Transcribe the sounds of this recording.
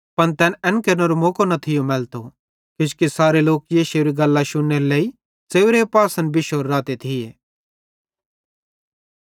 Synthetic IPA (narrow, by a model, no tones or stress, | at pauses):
pɐnt̪ɛːnɛ̃nkɐɾnoɾomoːkonɐt̪ʰɪjomɛːlt̪o | kɪt͡ʃkisaːɾeloːk̚jeʃeːɾiɡɐlːaʃʊnːeɾoleːi | t͡seːʋʊɾepaːsənbɪʃoːɾːaːt̪et̪ʰɪjeː